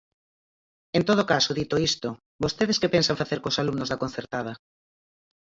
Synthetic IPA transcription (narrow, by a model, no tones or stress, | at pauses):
ent̪oðokasoðit̪oist̪o | bost̪eð̞eskepẽnsãɱfaθeɾkosalumnozðakonθeɾt̪að̞a